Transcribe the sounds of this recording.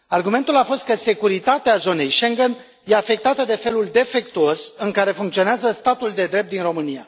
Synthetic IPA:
arɡume̞nt̪ulafo̞st̪̚kəse̞kuɾit̪at̪eazo̞ne̞jʃe̞ŋɡen | je̞afe̞k̚t̪at̪əd̪e̞fe̞luld̪e̞fe̞k̚t̪uosɨŋkaɾe̞fuŋkt̪sio̞neazəst̪at̪uld̪e̞d̪ɾe̞p̚t̪inro̞mɨnia̰

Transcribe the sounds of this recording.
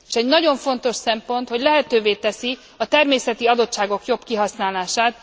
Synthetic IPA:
eʃɛɟnɒɟo̞ɱfo̞nt̪o̞ʃsɛmpo̞nt̪ho̞ɟlɛɦɛt̪øːveːt̪ɛsi | ɒt̪ɛrmeːsɛt̪iɒd̪o̞t̪ʃaːɡo̞kjo̞bkiɦɒsnaːlaːʃaːt̪

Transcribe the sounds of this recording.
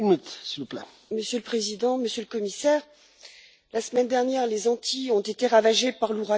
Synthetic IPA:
nyt̪siləplɛ | məsjøləpχezid̪ɑ̃məsjøləkɔmisɛːʁ | lasəmɛnd̪ɛʁnjɛʁlezɑ̃t̪ʰiɔ̃t̪et̪eʁavaʒepaʁluʁa

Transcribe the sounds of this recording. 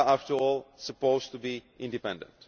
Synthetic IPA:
aftəɔːlsəpoʊztubiʔɪ̃ndipɛ̃ndə̰̃nt

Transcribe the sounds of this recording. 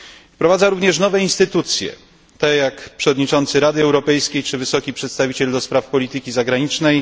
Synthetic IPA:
fpɾɔvad̪zaɾuvɲɛʂnɔvɛinst̪ɘt̪ut̪sʲjɛ̰ | t̪ɛjakpʂɛvɔd̪ɲit͡ʂɔnt̪sɘɾad̪ɘɛwɾɔpɛjskʲejt͡ʂɘvɘsɔkʲipʂɛt̪st̪avʲit͡ɕɛld̪ɔspɾafpɔlʲit̪ɘkʲizaɡɾaɲit͡ʂnɛj

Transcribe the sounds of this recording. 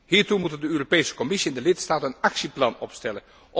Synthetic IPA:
ɦiːɹtumutəndəøːropejsə̥kɔmɪsiɛndəlɪtstaːtəənɑksiplɑnɔpstɛlən | ʔ

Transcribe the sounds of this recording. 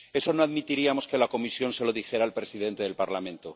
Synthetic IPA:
e̞so̞no̞aðmit̪iɾiamo̞ske̞lako̞misjo̞nse̞lo̞ðixe̞ɾaːlpɾe̞siðe̞nt̪e̞ðe̞lpaɾlamẽ̞nt̪o̞

